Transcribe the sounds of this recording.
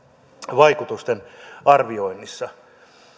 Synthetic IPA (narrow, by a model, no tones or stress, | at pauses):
ʋɑikut̪ust̪enɑrʋio̞inːisːɑ